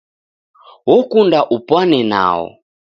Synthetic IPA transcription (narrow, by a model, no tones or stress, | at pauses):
wɔkundaʔupwanɛna̰ːɔ̰